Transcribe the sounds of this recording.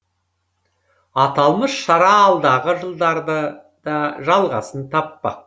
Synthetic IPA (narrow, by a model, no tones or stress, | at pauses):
ɑt̪ɑlˠməsʃɑɾɑːlˠd̪ɑʁəʒəlˠd̪ɑɾd̪ə | d̪ɑʒɑlˠʁɑ̰sənt̪ʰɑpːɑ̰